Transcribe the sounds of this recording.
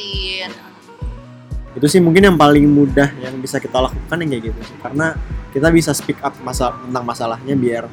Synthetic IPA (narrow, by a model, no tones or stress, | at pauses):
ɡit̪usɪhmuŋkɪnjaŋpalɪŋmudahjaŋbisakit̪alakukanjakaɡit̪usɪ̥hkaɾənakit̪abisasə̥pikap̚masaənt̪aŋmasalahɲabiar